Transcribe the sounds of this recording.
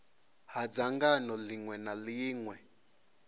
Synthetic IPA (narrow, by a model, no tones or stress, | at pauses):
ɦad͡zaŋɡanɔliŋwɛnaliːŋwɛ